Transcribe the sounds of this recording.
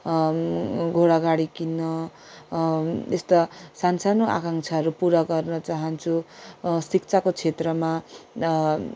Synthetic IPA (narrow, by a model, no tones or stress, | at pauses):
ɡʱoɽaɡaɽikinːʌ | est̪ʌsansanoʔa̰kaŋt͡sʰʌɦʌɾupuɾaɡʌrnʌt͡saɦʌnt͡sʰusik̚t͡sʰakot͡sʰet̪rʌma